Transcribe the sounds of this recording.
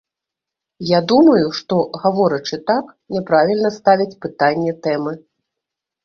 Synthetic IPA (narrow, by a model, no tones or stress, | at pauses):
jad̪umɐjuʂt̪ɔɣavɔɾɐt͡ʂɨt̪ak | nʲɛpɾavʲilʲnɐst̪avʲit͡sʲpɨt̪anʲːɛt̪ɛmɨ